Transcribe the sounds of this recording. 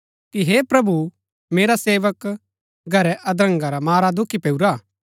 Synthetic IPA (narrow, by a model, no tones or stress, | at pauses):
kiɦeːpɾɐbu | meːɾaseːʋək | ɡʱɐɾɛʔɐd̪ɾə̃ŋɡaɾamaːɾad̪ʊkʰːipeːuɾaː